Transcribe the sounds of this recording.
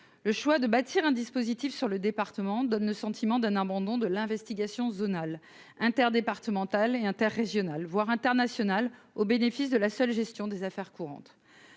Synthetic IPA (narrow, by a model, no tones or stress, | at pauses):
ləʃwad̪əbat̪ʰiʁɛ̃d̪ispozit̪ifsyʁləd̪epaʁt̪əmɑ̃d̪ɔnləsɑ̃t̪ʰimɑ̃d̪ɛ̃nabɑ̃d̪ɔ̃d̪əlɛ̃vɛst̪iɡasjɔ̃zonal | ɛ̃t̪ɛʁd̪epaʁt̪əmɑ̃t̪aleɛ̃t̪ɛʁːeʒjɔnalvwaʁɛ̃t̪ɛʁnasjɔnal | obenefisd̪əlasœlʒɛst̪jɔ̃d̪ezafɛʁkuʁɑ̰̃t̪